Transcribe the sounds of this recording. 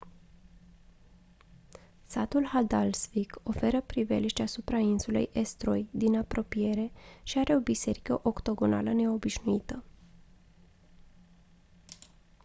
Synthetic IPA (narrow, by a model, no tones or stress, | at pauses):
sat̪ulhad̪alsviko̞fe̞ɾəpɾivḛliʃt̪asupɾainsulḛjʔest̪ɾo̞jd̪inapɾʔo̞pije̞ɾe̞ʃiaɾe̞o̞bise̞ɾikəʔo̞kt̪o̞ɡo̞na̰ləne̞o̞biʃnuit̪ə